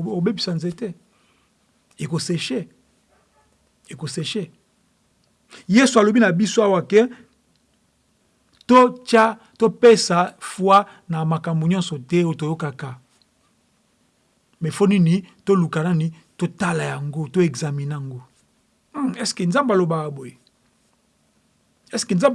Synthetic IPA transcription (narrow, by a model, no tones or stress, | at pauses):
obebisanzetɛ | ekoseʃe | ekoseʃe | jesualobinabisoawakɛ | tot͡ʃa | topesafwa | namakamboɲɔ̃nsɔtɛotojokaka | mɛfoninitolukanani | totalajaŋɡotoeɡzaminaŋɡo | ɛskenzambalobakaboje | ɛskenza